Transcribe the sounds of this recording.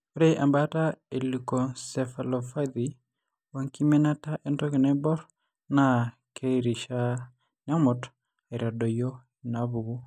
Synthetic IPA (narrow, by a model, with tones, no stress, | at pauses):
ɾeʔa˨mbata˦e˨lukɔ˨sɛ˨falɔfa˦d̪i | wa˨ŋki˦mɛ˦na˦ta˦ʔɛ˦ndɔ˦kɪ˨nɛ˦bɔ˦ɾ | na | kʰe˦ɾi˨ʃa˦ | na˦mɔ˨t | e˨ɾa˨dɔ˨jɔ˦ | ina˨βu˨ɡu˦